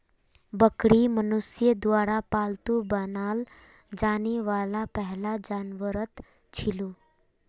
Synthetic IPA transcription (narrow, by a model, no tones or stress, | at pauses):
bəkɽimənusjəd̪ʋaɽapalt̪ubənal | d͡ʒaneʋalapəɦlad͡ʑanʋəɾət̪ | t͡ʃʰilu